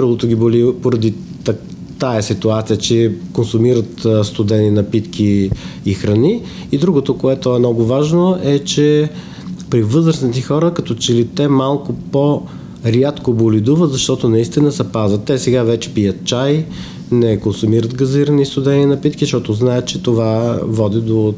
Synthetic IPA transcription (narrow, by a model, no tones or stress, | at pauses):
ɾlˠot̪oɡʲibolipoɾɐd̪i | t̪ɐ | t̪aɛsit̪uat̪sijət͡ʃɛkonsʊmiɾət̪st̪ʊd̪ɛninɐpit̪kiːxɾɐni | id̪ɾuɡot̪okoɛt̪oɛmnɔɡʊvaʒnoʔɛt͡ʃɛ | pɾivɤzɾəsnit̪ɛxɔɾəkɐt̪ɔt͡ʃɛlit̪ɛmalˠkʊpo | ɾjat̪kobolid̪uvət̪zɐʃt̪ɔt̪onɐist̪inəsɛpazvət̪ːɛsɛɡavɛt͡ʃɛ̥pijət̪t͡ʃaj | nɛkonsʊmiɾət̪ɡɐziɾənist̪ʊd̪ɛninɐpit̪kisʃt̪ɔt̪oznaɛt̪t͡ʃɛt̪ovavɔd̪id̪o